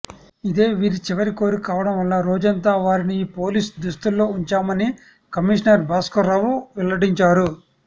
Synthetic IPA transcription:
id̪e̞ːʋiːɾit͡ʃɛʋɐɾiko̞ːɾikaːʋɐɽɐmʋɐlːaːɾoːd͡ʒɐnt̪aːʋaːɾiniːpo̞ːliːsd̪ust̪ulːo̞ːuɲt͡ʃaːmɐni | kɐmiʂnɐɾbaːskɐɾɐʋuʋɛlːɐɽiɲt͡ʃaːɾu

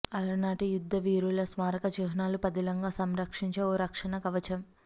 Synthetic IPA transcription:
ɐlɐnaːʈijud̪ʱːɐʋiːɾulɐsmaːɾɐkɐd͡ʒuːɦɐnaːlupɐd̪ilɐŋɡaːsɐmɾɐkʂiɲt͡ʃeːoːɾɐkʂɐnɐkɐʋɐt͡ʃɐm

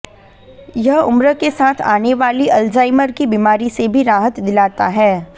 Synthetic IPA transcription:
jɐɦʊmɾəkesaːt̪ʰa̰ːneʋaːliʔɐld͡ʒaːɪməɾkibiːmaːɾisebʱiɾaːɦət̪d̪ɪlaːt̪aɦɛː

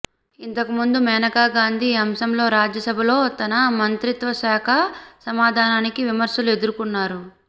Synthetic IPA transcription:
int̪ɐkumund̪umɛːnɐkaːɡaːnd̪ʱiɐmsɐmlo̞ːɾaːd͡ʒjɐsɐbʱɐlo̞ːt̪ɐnɐmɐnt̪ɾit̪ʋɐʃaːkʰɐsɐmaːd̪ʱaːnaːnikiʋimɐɾʃɐlue̞d̪uɾukunːaːɾu

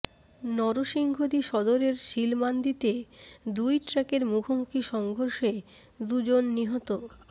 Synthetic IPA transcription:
nɔɾoʃiŋɡʱod̪iʃɔd̪oɾeɾʃilmand̪it̪ed̪ujʈɾɛkeɾmukʰomukʰiʃɔŋɡʱoɾʃe | d̪ud͡ʑonːiɦɔt̪o

